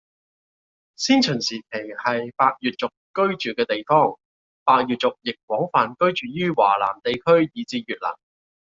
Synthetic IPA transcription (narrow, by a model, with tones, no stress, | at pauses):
siː˥nt͡ʃʰɵː˨˩nsiː˨kʰe˨˩jhɐ˨jpaː˧k̚jyː˨t̚t͡sʊ˨kkːɵ˥ɥt͡ʃyː˨˩kɛː˧t̪e˨jfɔː˥ŋ | paː˧k̚jyː˨t̚t͡sʊ˨k̚jɪ˨k̚wɔː˨˥ŋfaː˨nkɵ˥ɥt͡ʃyː˨jyː˥wa̰ː˨˩la̰ː˨˩mt̪e˨jkʰɵ˥ɥjiː˨˧t͡siː˧jyː˨t̚la̰ː˨˩ŋ